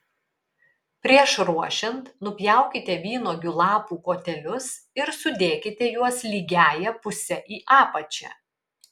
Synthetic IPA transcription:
pʲɾʲiɛʃɾuɔʃʲɛnt̪nʊpʲjæˑʊkʲɪt̪ʲɛʋʲiːnoːɡʲʊlˠɑːpuːkoːt̪ʲɛlʲʊs | ɪɾsʊd̪ʲeːkʲɪt̪ʲɛjuɔslʲiːɡʲæːjɛpʊsʲɛʔiːʔɑːpɐt͡ʃʲɛ̰

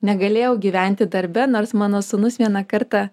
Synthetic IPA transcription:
nʲɛɡɐlʲeːjɛʊɡʲiːʋʲɛˑnʲt̪ʲɪd̪ɐɾʲbʲɛnoːɾsmɑːnoːsʊnʊsʋʲiɛnɑkɐɾt̪ɑ

